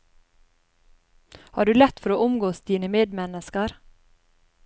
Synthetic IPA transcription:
hɑːɖʉːlɛt̪fɔɾoːʔʊmɡoːsd̪iːnəmeːd̪mɛnəskəɾ

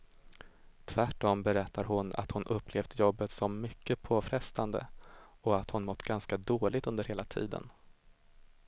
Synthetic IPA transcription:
t̪ʰvæʈːɔmbɛɾɛt̪ʰːaɾɦʊna̰t̪hʊnʔɵpːleːvd̪əjɔbːət̪sɔmːʏkːəpʰoːfɾɛst̪and̪ə̰ɔat̪hʊnmɔt̪ːɡanskad̪oːlɪɡ̚t̪ɵnd̪əɾheːlat̪ʰḭːd̪ə̰n

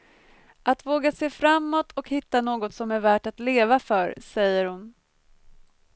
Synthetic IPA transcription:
ʔat̪voːɡaseːfɾamːɔt̪ʰɔkhɪt̪ːanoːɡɔt̪sɔmæɾvæːʈat̪leːvafœɾsɛjːəɾhʊn

